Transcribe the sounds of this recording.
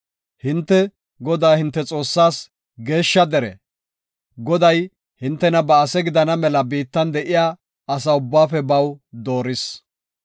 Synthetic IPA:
hɪnt̪ːɛ | ɡɔd̪aːhɪnt̪ːɛt͡sʼo̞ːsːaːs | ɡe̞ːʃːɐd̪ɛɾɛ̰ | ɡɔd̪ɐj | hɪnt̪ːɛnɐbɐːsɛɡɪd̪ɐnɐmɛlɐbiːt̪ːɐnd̪ɛʔɪjaː | ɐs̬ɐʊbːaːfɛbɐwd̪oːɾɪs

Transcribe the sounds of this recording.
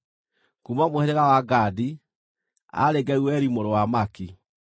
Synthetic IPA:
kumamoheɾeɣawaɡadi | a̰ɾeɡɛuwɛɾimoɾowamaki

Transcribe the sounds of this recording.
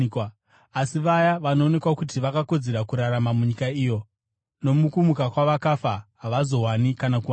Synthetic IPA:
asiʋajaʋano̞ːne̞kwakut̬iʋakako̞d͡ze̞ɾakuɾaɾamamuɲikaiːjo̞ | no̞mukumukakwaʋakafaɦaʋazo̞ɦwanikanakuʋa

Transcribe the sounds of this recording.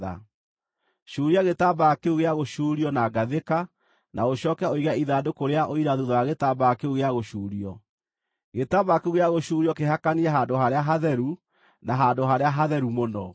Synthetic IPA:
a̰ | ʃuːɾiaɣetabakeuɣeaɣoʃuːɾiɔnaɡaðeka | nʔaoɕɔːkɛoiɣaiðaːdokoɾeaʔoiɾaðuðɔaɣetabaːkeuɣeaɣoʃuːɾiɔ | ɣetabakeuɣeaɣoʃuːɾiɔkeɦakaniɛɦaːndoɦaɾeaɦaðɛɾu | naɦandoɦaɾeaɦaðɛɾumonɔ

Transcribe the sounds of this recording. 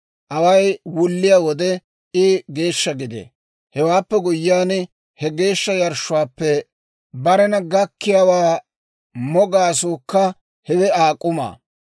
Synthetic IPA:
ʔɐwɐjwʊlːɪjaːwɔd̪ɛ | ɪɡe̞ːʃːɐɡɪd̪ḛ | hɛwaːpːɛɡʊjːaːn | hɛɡeːʃːɐjɐɾʃʊwaːpːɛ | bɐɾɛnɐɡɐkːɪjaːwaː | mɔɡaːsuːkːɐ | hɛwɛaːkʼːʊma̰ː

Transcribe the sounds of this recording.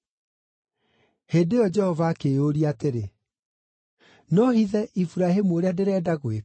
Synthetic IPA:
heːdejɔd͡ʒɛhɔvaːkeoɾiateɾe | nɔhiðɛʔifuɾahemuoɾeadeɾɛːdaɣoe

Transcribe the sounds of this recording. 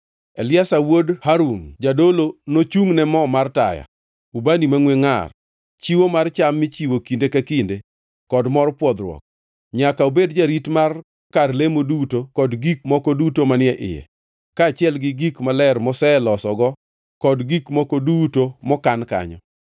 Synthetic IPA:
ɛlɪasawodhaɾuŋd͡ʒadolonot͡ʃuŋnɛmɔmarta̰ja̰ | ubanimaŋweŋa̰r | t͡ʃiwomart͡ʃamːɪt͡ʃiwokindekakinde | kɔdmɔrpwɔd̪ɾwɔ̰k̚ | ɲakaubedd͡ʒaɾitmar | karlemodutokɔdɡik̚mɔkɔdutomanɪɛʔɪ̰jɛ̰ | kaːt͡ʃɪɛlɡɪɡikmalɛrmɔsɛlɔsɔɡɔ | kɔdɡikmɔkɔdutomɔkanka̰ɲɔ̰

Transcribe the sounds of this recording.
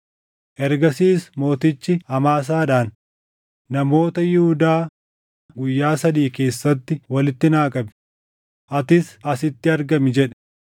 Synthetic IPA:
ʔɛɾɡɐsiːsmo̞ːt̪ɪt͡ʃːɪɐmaːs̬aːᶑaːnː | ɐmo̞ːt̪ɐjɪhʊd̪aː | ɡʊjːaːsɐd̪iːke̞ːsːɐt̪ːɪwɐlɪt̪ːɪnaːkʼɐbɪ̥ | ʔɐt̪ɪsɐsɪt̪ːɪɐɾɡɐmɪd͡ʒɛᶑɛ̥

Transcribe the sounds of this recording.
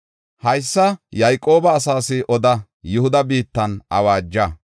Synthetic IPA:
hɐjsːɐjɐjkʼo̞ːbɐːsaːsɪʔɔd̪ɐ | jʊhʊd̪ɐbiːt̪ːɐnɐwaːd͡ʒːɐ

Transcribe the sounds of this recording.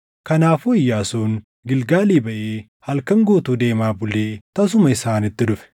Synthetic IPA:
kɐnaːfɔɪjːaːsuːn | ɡɪlɡaːliːbɐʔeː | hɐlkɐŋɡoːt̪uːd̪e̞ːmaːbʊleːt̪ɐs̬ʊmɐɪsaːnɪt̪ːɪᶑʊfɛ̥

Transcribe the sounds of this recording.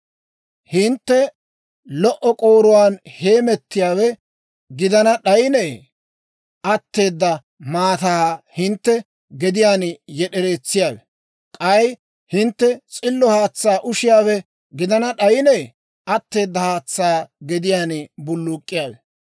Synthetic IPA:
hɪnt̪ːɛ | lɔʔɔkʼo̞ːɾʊwaːnhe̞ːmɛt̪ːɪjaːwɛ | ɡɪd̪ɐnɐɗɐjneː | ʔɐt̪ːe̞ːd̪ːɐ | maːt̪aːhɪnt̪ːɛ | ɡɛd̪ɪjaːnjɛɗɛɾe̞ːt͡sːɪjaːwɛ | kʼɐj | hɪnt̪ːɛt͡sʼɪlːɔhaːt͡sːaːʔʊʃɪjaːwɛ | ɡɪd̪ɐnɐɗɐjɪneː | ɐt̪ːe̞ːd̪ːɐhaːt͡sːaːɡɛd̪ɪjaːnbʊlːʊkʼːɪjaːwɛ

